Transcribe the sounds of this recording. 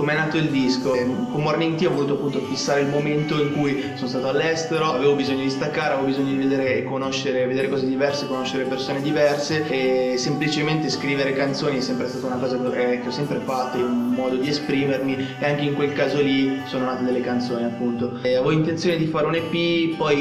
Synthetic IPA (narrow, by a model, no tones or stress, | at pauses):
komeɛnaːt̪oild̪iskokomorneint̪iɔvoluːt̪oapːunt̪ofisːaːɾeilmoment̪oiŋkuj | sonost̪aːt̪oalːɛst̪eɾoaveːvobizoɲːod̪ist̪akːaɾeavevobizoɲːod̪ived̪eːɾeːkːonoʃːeɾeved̪eːɾekɔːzed̪ivɛrsekonoʃːeɾepersoːned̪ivɛrsesemplit͡ʃement̪eskɾiːveɾekant̪soːniɛsːɛmpɾest̪aːt̪aunakɔːzakk̟eɔsːɛmpɾefat̪ːounmɔːd̪od̪iespɾiːmermieaŋk̟eiŋkwelkaːzolisoːnonaːt̪ed̪elːekant̪soːniapːunt̪oavɔint̪ent̪joːned̪ifaːɾeunepipɔj